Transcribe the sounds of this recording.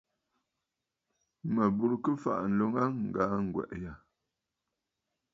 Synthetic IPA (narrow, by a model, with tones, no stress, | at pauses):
mə˨bu˦˨ɾkə˦fa̰˨ʔn̩˨lo˨˦ŋa˦ŋ̩˨ɡa˨˦ŋ̩˨ɡwɛ̰˨ʔja˨